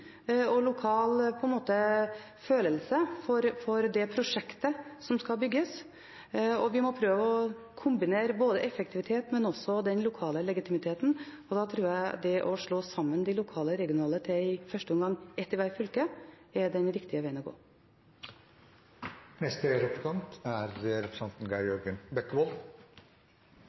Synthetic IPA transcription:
ɔlʊkʰɑːlpʰɔɛnmoːt̪ə | føːləlsəfɔɾfɔɾd̪ɛpʰɾʊʂɛkt̪əsɔmskɑlbʏɡːəs | ɔʋɪmɔpʰɾøːʋəɔ | kʰʊmbɪneːɾəboːd̪əʔɛfək̚t̪ʰɪʋɪt̪ʰeːt̪mɛnɔsɔd̪ɛnlʊkʰɑːləlɛɡɪt̪ʰɪmɪt̪ʰeːt̪n̩ɔd̪ɑːt̪ʰɾuːɾjæɪd̪ɛʔɔʂɭoːsɑmːənd̪ɪlʊkʰɑːləɾɛɡɪʊnɑːlət̪ʰɛɪfœʂʈəʊmɡɑŋːɛt̪ːɪʋæɾfʏlkə | ɛɖɛnɾɪkt̪ɪəʋeɪənɔɡo̰ː | nɛst̪əɾɛpɾsɑnt̪æɾɾɛpʰɾə̥sɑnt̪n̩ɡɑɔɡənbɛkːbɔːl

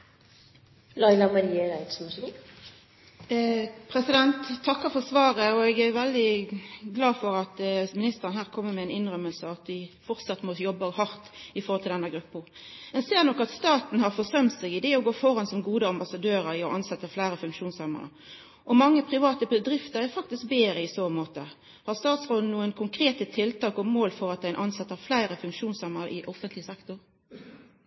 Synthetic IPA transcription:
lɑɪlɑmɑɾiːəɾæɪt̪sms | pʰɾɛsɪd̪ɛnt̪ʰːɑkːəɾfɔʁsʋɑːʁəɔɛːɡæʋɛld̪ɪɡlɑːfɔɾɑt̪mɪnɪst̪əʁənhæːʁkʰɔmːəmɛɛɪnɪnʁœməlsəɑt̪̚d̪ɪfɔʁt̪sɑt̪mɔjɔbːɑhɑʁt̪ɪfɔʁhɔlt̪ɪlɛnəɡɾʉpːʊ | ɛnseːʁnɔkːɑt̪st̪ɑːt̪n̩hɑʁfɔʁsœmt̪sɛɡɪd̪ɛeːɔɡoːfɔʁɑnsɔmɡuːd̪əɑmbɑsɑd̪øːʁəɾɪɔʔɑnsɛt̪ːəflæɪɾəfʉŋkʃuːnsɑmə̰nə̰ | ʔɔmɑŋːəpʰʁɪʋɑːt̪əbəd̪ɾɪft̪əʁɛɾfɑk̚t̪ɪsk̚beːɾəɪsoːmoːt̪ə | hɑʁst̪ɑːt̪sʁoːd̪n̩nuːənkʰʊŋkʰɾeːt̪ət̪ʰɪlt̪ɑːkɔmoːlfɔʁɑt̪̚d̪æɪnʔɑnsɑt̪ːəʁflæɪʁəfʉŋkʃuːnsɑməʁʔɪʔɔfənt̪lɪəsɛkt̪ʊʁ

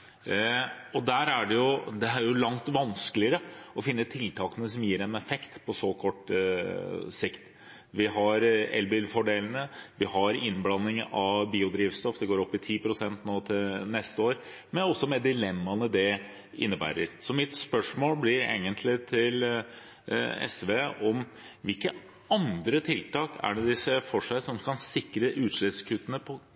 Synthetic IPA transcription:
ɔd̪æːɾæɖɛjʊd̪ɛɦæɾjʊlɑŋt̪ʋɑnskəlɪəɾəɔfɪnːət̪ʰɪlt̪ʰɑːkənəs̬ɔmjiːɾɛnɛfɛkt̪pʰɔsɔkʰɔʈː | sɪkt̪ | ʋɪɦɑɾɛ̰lbɪlfɔɖeːln̩əʋɪhɑɾɪnːblɑnːɪŋɑʋbiːʊd̪ɾiːʋst̪ɔfd̪ɛɡoːɾɔpːɪt̪ʰiːpɾʊsɛnt̪noːt̪ʰɪlnɛst̪əoːɾ | mɛnɔsːɔmɛd̪ɪlɛmːɑnəd̪ɛ | ɪ̰nːəbæ̰ːɾəɾsɔmɪt̪spœʂmoːlblɪɾḛːɡənt̪ʰlɪt̪ʰɪl | ɛ̰sʋeːʔɔm | ʋɪlkə | ɑnd̪ɾət̪ʰɪlt̪ɑːkʰæ̰ɖɛd̪ɪsːəfɔʂæɪsɔmkʰɑnsɪkɾəʔʉːt̪ʂɭɪskʰʉt̪ːənəpʰɔ

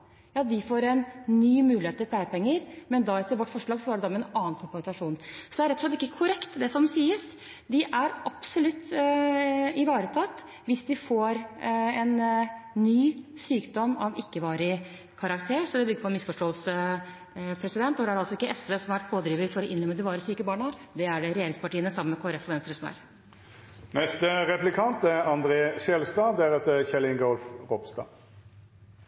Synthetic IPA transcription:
jɑːd̪ɪfoːɾɛnnyːmʉːlɪheːt̪ʰːɪlplæɪəpʰɛŋːəɾmɛnd̪ɑɛt̪ːəɾʋɔʈːfɔʂɭɑːɡsɔæɖɛd̪ɔmɛnɑːnnkʰɔpt̪ɑʂuːnsɔd̪ɛæɾɛt̪ːɔlɛt̪ɪkːəkʰʊɾɛkt̪d̪ɛsɔmsiːəs | d̪ɪʔæɾʔɑpsɔlʉt̪ː | ɪʋɑːɾət̪ʰɑt̪ː | ʋɪsd̪ɪfoːɾɛnː | yːsyːkd̪ɔmːɑʋɪkːəʋɑːɾɪ | kʰɑɾɑkt̪ʰeːɾsɔd̪ɛbʏɡːəɾpɔɛnmɪsfɔʂʈoːəlsə | pʰɾɛsɪd̪ɛnt̪ːɔd̪ɛhæɖɛɑlsɔɪkːəʔɛsʋeːsɔmhɑʋæʈ̚pʰoːd̪ɾiːʋəɾfɔɾɔɪnlœmːəd̪ɪʋɑːɾəsyːkəbɑːɳəd̪ɛæɖɛɾɛjeːɾɪŋspɑʈiːənəsɑmːənmɛkʰoːæɾɛfɔʋɛnst̪əɾəsɔmæ̰ːɾ | nɛst̪əʁɛplɪkʰɑnt̪ɛɑnd̪ɾeːʃɛlst̪ɑːd̪æɾɛt̪əçɛlɪŋɡɔlfʁɔbst̪ɑ̰ː

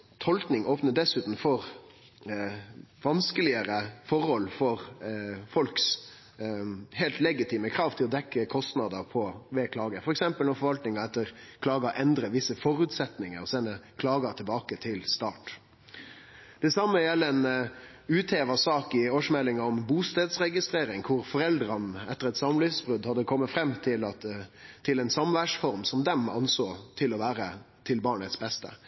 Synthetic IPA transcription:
t̪ʰɔlknɪŋʔoːpnəɖ̪ɛsʉːt̪n̩fɔɾ | ʋɑnskəlɪəɾəfɔɾhɔlːfɔɾfɔlks | hɛːlt̪lɛɡɪt̪ʰiːməkʰɾɑːʋt̪ʰɪlɔd̪ɛkːəkʰɔst̪nɑd̪əpʰɔʋeːkʰlɑːɡəfɔɾɛksɛmpəlnɔfɔɾʋɑlt̪nɪŋɑɛt̪ːəɾkʰlɑːɡəʔɛnd̪ɾəʋɪsːəfɔɾʉːt̪sɛt̪nɪŋəɾɔsɛnːəkʰlɑːɡɑt̪ʰɪlbɑːkət̪ʰɪlst̪ɑːʈ | d̪̥ɛsɑmːəjɛlːəɛn | ʉːt̪ʰeːʋɑsɑːkɪoːʂmɛlːɪŋɑɔmbuːst̪eːd̪sɾɛɡɪst̪ɾeːɾɪŋkʰʊɾfɔɾɛld̪ɾɑnəɛt̪ːəɾɛt̪sɑmlyːsbʁʉd̪hɑd̪ːəkʰɔmːət̪fɾɛmːt̪ʰɪlɑt̪ʰɪlɛnsɑmʋæʂfɔɾmsɔmd̪ɛmɑ̰nsoːt̪ʰɪlɔʋæːɾə | t̪ʰɪlbɑːɳət̪sbɛst̪ə̰

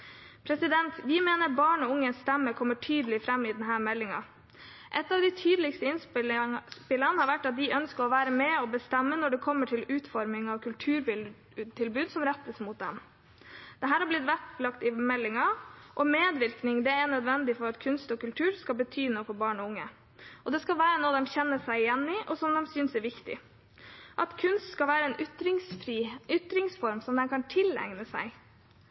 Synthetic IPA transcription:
pʰɾɛsɪd̪ɛnt̪ʋɪmeːnəɾbɑːɳɔʊŋːənst̪ɛmːəkʰɔmːəʈʰyːd̪əlɪfɾɛmːɪd̪ɛnɦæːɾmɛlːɪŋɑ̰ | ʔɛt̪ːɑʋd̪ɪt̪ʰyːd̪əlɪkst̪əɪnsp̪spɪlːɑnəhɑɾʋæʈːɑt̪̚d̪ɪʔœnskəɾɔʋæːɾəmɛːɔbəst̪ɛmːənɔɖɛkʰɔmːəʈʰɪlʉːt̪fɔɾmɪŋɑʋkʰʉlt̪ʰʉːɾ | t̪ʰɪlbʉːd̪sɔmɾɛt̪ːəsmʊt̪̚d̪ɛm | d̪̥ɛɦæːɾhɑɾblɪt̪ʋæplɑkt̪ɪmɛlːɪŋɑʔɔmeːd̪ʋɪɾknɪŋd̪ɛɛɳœd̪ʋɛnd̪ɪfɔɾɑt̪kʰʉnst̪ɔkʉlt̪ʰʉːɾskɑlbət̪ʰyːnoːfɔɾbɑːɳɔʊŋːə | ʔɔd̪ɛskɑlʋæːɾənoːd̪ɛmçɛnːəsæɪɪjɛnːɪʔɔsɔmd̪ɛmsyːnsɛɾʋɪkt̪ɪ̰ | ʔɑt̪kʰʉnst̪skɑlʋæːɾəɛnʏt̪ɾɪŋsfɾiʔʏt̪ɾɪŋsfɔɾmsɔmd̪ɛnkʰɑnt̪ʰɪlɛ̰ŋnəsæ̰ɪ

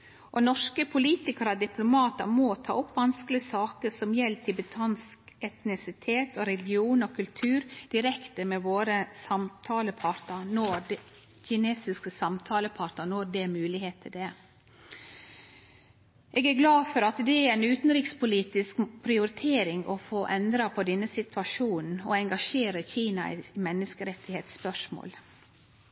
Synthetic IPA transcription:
ʔɔnɔʂkəpʰʊliːt̪ɪkəɾɑd̪ɪpʰlʊmɑːt̪əɾmɔt̪ʰɑ̰ːʊpːʋɑnsklɪəsɑːkəsɔmjɛlt̪ʰɪbət̪ʰɑnskɛt̪nɪsɪt̪ʰeːt̪ɔɾɛlɪɡɪuːnɔkʰʉlt̪ʰʉːɾd̪̥ɪɾɛkt̪əmɛʋoːɾəsɑmt̪ʰɑːləpʰɑɾt̪əɾnɔɾd̪ɛ | çɪneːsɪskəsɑmt̪ʰɑːləpʰɑːɾt̪ənɔɾd̪ɛmʉːlɪheːt̪ʰɪd̪ɛ | ʔeːɡæɾɡlɑːfɔɾɑt̪d̪ɛæɾæɪnʉːt̪n̩ɾiːkspʊliːt̪ɪskpʰɾɪʊɾɪt̪ʰeːɾɪŋɔfoːʔɛnd̪ɾɑpʰɔd̪ɛnːəsɪt̪ʰʋɑʂuːnn̩ɔɛŋɡɑʂeːɾəçiːnɑmɛnːəskəɾɛt̪ɪheːt̪spœʂmo̰ːl

